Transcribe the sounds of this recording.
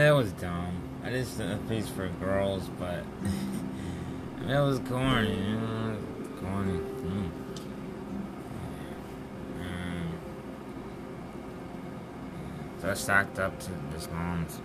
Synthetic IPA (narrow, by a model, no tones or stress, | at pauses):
ɪt̚wʌzdʌ̃m | aɪdʌstɨpʰisfə˞ɡɜ˞lˠzb̥ʌt̚ | ɪt̚wʌzkʰɔɹni | kʰɔɹni | soaɪsæk̚tʌp̚tʰɨðɪslɔ̃nz̥